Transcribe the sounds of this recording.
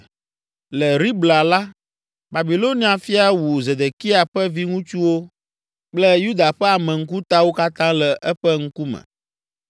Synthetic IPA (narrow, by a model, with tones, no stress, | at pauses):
lɛ˨ɾi˦bla˨la˦ | ba˨bi˨lo˦nĩ˦a˨fi˦a˨wu˨ze˨d̪e˨ki˦a˨ɸɛ˦vi˦ŋũ˦t͡ʃu˦wo˦ | k͡plɛ˦ju˦d̪a˨ɸɛ˦a˨mɛ̃˨ŋ̩˦k̬u˦t̪a˦wo˦ka˦t̪ã˦lɛ˨ʔɛ˦ɸɛ˦ŋ̩˦ku˦mɛ̰̃˨